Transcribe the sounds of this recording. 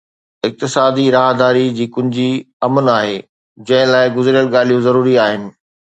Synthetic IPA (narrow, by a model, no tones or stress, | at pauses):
ɪk̚t̪ɪsaːd̪iɾaːɦd̪aːɾid͡ʑiːkʊ̃ɦɪ̃ɲd͡ʑi | ɐmənaːɦeː | d͡ʑɐ̃ɦɪ̃laːɪɡʊzɾijəlɠaːl̤ijũzɐɾuːɾiaːɦɪnɪ̆